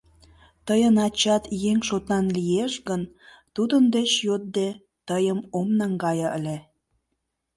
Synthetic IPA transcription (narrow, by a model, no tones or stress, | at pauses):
t̪əjənɑt͡ɕɑt̪jeŋʃot̪ɑnlieʃɡən | t̪ud̪ənd̪et͡ɕjot̪̚d̪e | t̪əjəmomnɑŋɡɑjɤə̰lʲe